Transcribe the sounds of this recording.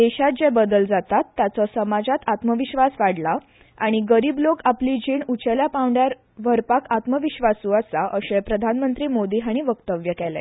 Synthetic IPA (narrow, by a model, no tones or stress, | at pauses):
d̪eɕat̪̚d͡ʑebəd̪əld͡zat̪at̪ːjat͡sɔsəmad͡zat̪at̪məʋiɕʋasʋaɽla | aɽ̃iɡəɾiːblokaplid͡ʑiːɳut͡ɕeljapãwɳɖjaɾ | ʋəɾpakat̪məʋiɕʋasuasaʔəɕepɾəd̪ʱanmənt̪ɾiːmod̪iːɦaɽ̃iʋəkt̪əʋjəkɛlɛ̰